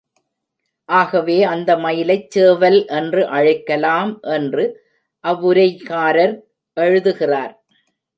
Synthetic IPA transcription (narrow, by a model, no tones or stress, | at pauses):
ʔaːɣɐʋeːɐnd̪ɐmɐjɪlɐɪt͡ʃːseːʋɐlʔɛndrɯʔɐɻɐɪkːɐlaːmʔɛndrɯ | ʔɐʋːʊɾɐɪkaːɾɐɾ | ʔɛɻɯðɯɣɪraːɾ